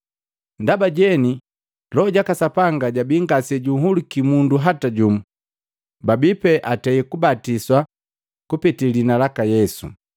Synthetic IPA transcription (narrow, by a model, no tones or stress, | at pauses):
ndabaɟɛni | lɔːɟakasapaŋɡaɟabiŋɡasɛɟuɦulikimunduɦataɟumu | babipɛʔatɛikubatiswa | kupitilinalakajɛsṵ